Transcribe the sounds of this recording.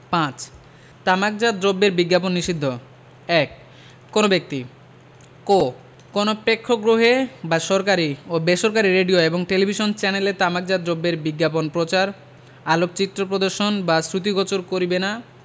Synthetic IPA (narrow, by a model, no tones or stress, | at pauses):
pãt͡ɕ | t̪amak̚d͡ʑad̪ɾobːeɾbiɡːaponːiʃid̪ʱːo | ɛkː | onobek̚t̪i | ko | konopɾekʰːoɡɾoɦebaʃɔɾkaɾiobeʃoɾkaɾiɾeɖioeboŋʈelibʱiʃont͡ɕɛnelet̪amak̚d͡ʑad̪ɾobːeɾbiɡːap̬onpɾot͡ɕaɾ | alok̚t͡ɕit̪ːɾopɾod̪oɾʃonbasɾut̪iɡɔt͡ɕoɾkoɾibena